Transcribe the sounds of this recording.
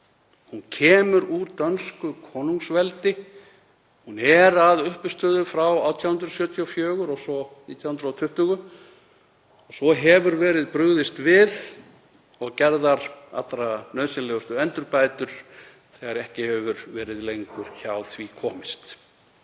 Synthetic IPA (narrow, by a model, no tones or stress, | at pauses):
huncʰɛːmʏɾuɾt̪œnskʏkʰɔːnuŋsvɛlt̪ɪ | hunɛɾaðʏhpʏst̪œːðʏfɾawaːwt̪ʰjawhʏnd̪ɾɔsjœːt̪ʰiɔfjœːɣʏɾɔɣsɔniːt̪ʰjawhʏnd̪ɾat̪ʰʏht̪ʏɣʏ | ɔɣsɔɦɛvʏɾvɛːɾɪðpɾʏɣðɪst̪vɪð | ɔɣcɛɾðaɾa̰t̪ːɾanœːðsɪlɛɣʏst̪ʏɛnt̪ʏɾpaːjt̪ʏɾ̥ | θɛɣaɾɛhcɪhɛvʏɾvɛːɾɪðlejŋkʏɾ̥çawθvikʰɔːmɪst̪